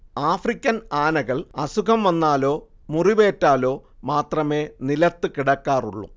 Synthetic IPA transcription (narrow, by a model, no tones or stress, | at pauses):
aːfrikʲːɐnaːnɐɣɐɭɐsukʰɐmʋɐnːaːlo̞ː | muriʋe̞ːtːaːlo̞ːmaːt̪rɐme̞ːnilɐt̪ːɨkiɽɐkːaːruɭːṵ